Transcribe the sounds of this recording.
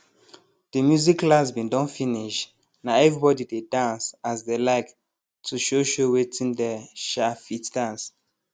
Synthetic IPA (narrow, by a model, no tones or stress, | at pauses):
d̥əmjuziklasbĩndɔ̃nfĩniʃ | naɛvɹibɔdidedãnsasdelaɪk | tʰuʃoʃowetʰĩndɛʃafitd̥ãns